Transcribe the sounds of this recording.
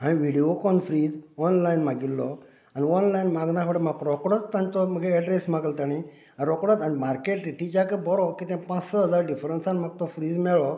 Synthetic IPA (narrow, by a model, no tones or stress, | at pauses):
ɦãĩʋiɽiokɔnfɾiːd͡zɔnlajnmaɡilːɔ | aniɔnlainmaɡnãkʰɔɽemakɾɔkɽət͡st̪ãnt̪ɔməɡeɛɖɾesmaɡəlt̪aɽ̃i | aɾɔkɽət̪animaɾkeʈiʈit͡ɕakəbɔɾɔkit̪ɛ̃pãt͡ssəɦəd͡zaɾɖifɾənsanmaɡ̚t̪ɔfɾiːd͡zmɛɭɔ